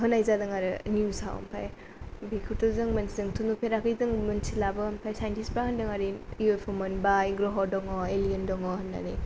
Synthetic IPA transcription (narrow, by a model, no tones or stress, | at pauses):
ɦɯnajzadɯŋaɾɯnijusa̰w̰mpʰa̰j | bikʰutɔzɯŋmɐnsizɯŋtʰundupʰeɾakɯjzɯŋmɯnsilabɯmpʰajsajntispɾahɐndɯŋaɾiiopʰɔmɯnbajɡɾɔɦɔɾdɔŋɔeliendɔŋɔhɯnːa̰nḭ